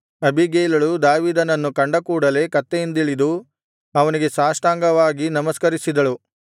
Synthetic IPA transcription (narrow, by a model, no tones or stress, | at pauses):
ɐbʱiɡeːlɐɭud̪aːʋiːd̪ɐnɐnːukɐɳɖɐkuːɽɐle̞kɐt̪ːejind̪iɭid̪u | ɐʋɐniɡe̞saːsʈ̪aːŋɡɐʋaːɡinɐmɐskɐɾisid̪ɐɭu